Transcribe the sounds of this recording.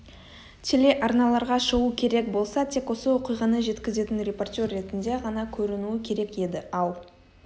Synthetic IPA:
t̪ʰe̞le̞ʔɑɾnɑlˠɑɾʁɑʃəʁukʲʰe̞ɾe̞k̚bo̞lˠsɑt̪ʰe̞kwo̞səwo̞qijʁɑnəʒe̞t̪kʲɪze̞t̪ɪnrʲe̞po̞rt̪ʲo̞rːe̞t̪ɪnd̪e̞ʁɑnɑkʲʰɵɾɪnuɪkʲʰe̞ɾe̞ke̞d̪ɪɑlˠ

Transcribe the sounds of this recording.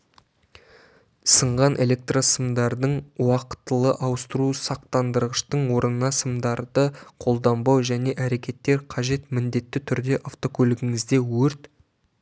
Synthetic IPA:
səɴʁɑnʔe̞lʲe̞k̚t̪rosəmd̪ɑɾd̪əɴwɑqə̥t̪ːəlˠəʔɑwəst̪əɾusɑq̚t̪ɑnd̪əɾʁəʃt̪əɴwo̞ɾənənɑsəmd̪ɑɾd̪əqʰo̞lˠd̪ɑmbɑwʒæne̞ʔæɾe̞kʲe̞t̪ːe̞ɾqʰɑʒe̞t̪mɪnd̪e̞t̪ːɪt̪ʰʏɾd̪e̞ʔaft̪o̞kʲʰɵlɪɡʲɪŋɪzd̪e̞wɵɾt̪

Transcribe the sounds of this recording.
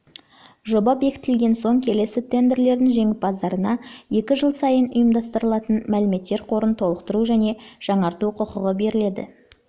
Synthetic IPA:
ʒo̞bɑpje̞kʲɪ̥t̪ɪlɡʲe̞nso̞ŋkʲʰe̞le̞sɪt̪ʰe̞nd̪e̞ɾle̞ɾd̪ɪŋʒe̞ŋʲɪp̚bɑzd̪ɑɾənɑje̞kʲɪʒəlˠsɑjənʊjəmd̪ɑst̪əɾəlˠɑt̪ənmælɪme̞t̪ːe̞ɾqʰo̞ɾənt̪ʰo̞lˠəqt̪əɾuʒæne̞ʒ̥ɑɴɑɾt̪uqʰʊqəʁəbe̞ɾɪle̞d̪ɪ̰

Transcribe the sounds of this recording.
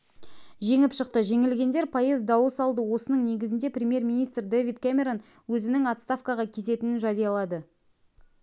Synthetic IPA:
ʒe̞ŋɪpʃəq̚t̪əʒe̞ŋɪlɡʲe̞nd̪e̞ɾpʰɑjəzd̪ɑwəsɑlˠd̪əwo̞sənəɴne̞ɡʲɪzɪnd̪e̞prʲɾʲemje̞rmʲijnijst̪rd̪evid̪kʲamʲe̞ɾon | wɵzɪnɪŋɑt̪st̪afkɑʁɑkʲʰe̞se̞t̪ɪnɪnʒɑd̪ijɑlˠɑd̪ə

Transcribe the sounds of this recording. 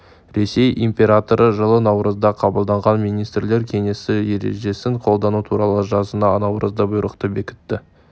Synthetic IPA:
ɾe̞se̞jimpʲe̞ɾat̪o̞ɾʔəʒəlˠənɑwɾəzd̪ɑqʰɑbəlˠd̪ɑɴʁɑnmijnijst̪ɾɪle̞ɾkʲʰe̞ŋe̞sɪje̞ɾe̞̰ʒe̞sɪŋqʰo̞lˠd̪ɑnut̪ʰuɾɑlˠəʒɑzənɑnɑwɾəzd̪ɑbʊjɾəqt̪əbe̞kʲɪ̥t̪ːɪ

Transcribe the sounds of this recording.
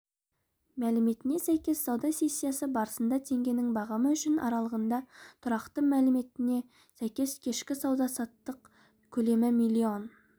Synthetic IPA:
mælɪme̞t̪ɪne̞sæjkʲe̞sːɑwd̪ɑse̞sʲːijasəbɑɾəsənd̪ɑt̪ʰe̞ŋɡʲe̞nɪŋbɑʁɑməʏʃɪnɑ̰ɾɑlˠəʁənd̪ɑt̪ʰʊɾɑqt̪əmælɪme̞t̪ɪne̞ | sæjkʲe̞skʲʰe̞ʃkʲɪsɑwd̪ɑsɑt̪ːəq | kʲʰɵle̞mɪmilʲːio̞n

